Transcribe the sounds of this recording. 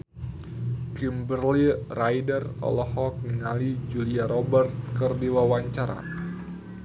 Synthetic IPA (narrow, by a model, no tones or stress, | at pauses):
kimbərlirajdərɔ̰lɔhɔk̚niŋalid͡ʒuliaɾɔbərt̪̚kərdiwawaɲt͡ʃaɾa̰